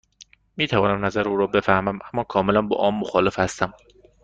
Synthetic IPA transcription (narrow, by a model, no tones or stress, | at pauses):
miːt̪ʰævɒːnæmnæzæɾuːɾɒːbe̞fæhmæmʔæmːɒːkʰɒːmelænbɒ̰ːʔɒːmːoxɒːle̞fhæst̪æm